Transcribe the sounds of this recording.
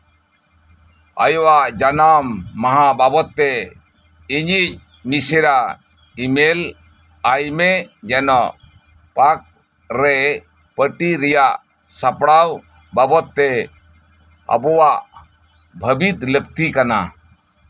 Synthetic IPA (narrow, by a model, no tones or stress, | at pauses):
a̰jɔwaʔd͡ʒanamːaɦababɔt̪ːɛ | iɲic̚ | nisɛɾa | imel | ajmɛd͡ʒɛnɔʔ | pak̚ | ɾɛ | pəʈiɾɛjaʔ | sapɽaw | babɔt̪ːɛ | a̰bɔwaʔ | bʱəbit̪ləkt̪ikana̰